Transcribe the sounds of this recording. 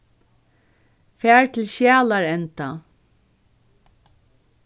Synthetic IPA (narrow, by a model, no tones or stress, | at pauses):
fæːɹt̪ʰɪlʃjæːlaɹɛnt̪a